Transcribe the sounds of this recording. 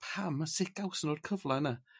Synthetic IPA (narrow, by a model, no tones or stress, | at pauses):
pʰamasɪkawsənoːrkʰəvlˠana